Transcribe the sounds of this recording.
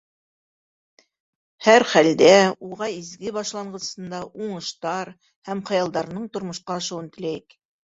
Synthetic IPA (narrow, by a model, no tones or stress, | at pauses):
hæɾχæld̪æuʁɑizɡɘbɑʃlˠɑɴɢɤ̆sɤ̆nd̪ɑʔuɴɤ̆ʃt̪ɑɾ | hæmχɑjɑlˠd̪ɑɾnɤɴt̪ŏɾmŏʃqɑɑʃɤ̆wɤnt̪ɘ̆læjɘk